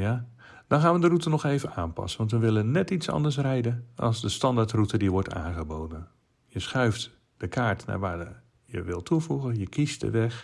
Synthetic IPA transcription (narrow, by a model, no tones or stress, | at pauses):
ja | d̥ɔnxaːnʋəndərutənɔxeːvənaːnpɑ̰sənʋɑntʋəʋɪlˠənnɛtitsɑ̰ndəɹs̬rɛjdənʔɑ̰lˠzdəstɑndaɹtrutədiʋɔɹta̰ːnxəboːdən | jəsxœɥft | d̥əkʰaːɹtna̰ːɹʋaː | jə̰ʋɪlˠtʰuvuɣəjəkʰistdə̰ʋɛx